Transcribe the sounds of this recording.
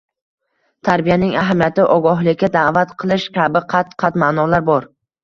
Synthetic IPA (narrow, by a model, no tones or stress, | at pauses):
t̪ʰaɾbijanɪŋaɦamijat̪ɪʔɒɡɒɦlˠɪkʲːad̪aːvat̪qʰɨlˠɪʃkʲabɪqʰɑt̪qʰɑt̪maːnɒlaɾbɒɾ